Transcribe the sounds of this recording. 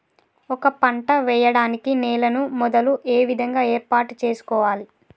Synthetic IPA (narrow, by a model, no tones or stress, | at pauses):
ɔkɐpɐɳʈɐʋɛjɐɽaːnikinɛːlɐnumɔd̪ɐluʔeːʋid̪ʱɐŋɡaːeːɾpaːʈut͡ʃeːsu̥kɔːʋaːli